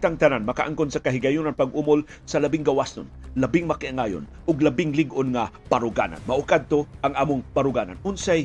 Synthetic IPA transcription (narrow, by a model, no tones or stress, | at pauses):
t̪aŋt̪ɐnanmɐkaʔaŋkonsɐkɐɦɪɡajunanpaɡʔumol | sɐlɐbɪŋɡɐwasnonlɐbɪŋmɐkɪʔaŋajo̰nʔʊɡlɐbɪŋlɪɡʊnŋapaɾʊɡa̰na̰nmɐʔokad̪̚t̪oʔɐŋʔaːmʊŋpaɾʊɡana̰nʔʊnsaj